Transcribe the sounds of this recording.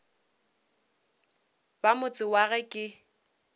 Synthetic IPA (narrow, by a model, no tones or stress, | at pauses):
bamʊt͡sʼɪwaɣɛkʼɪ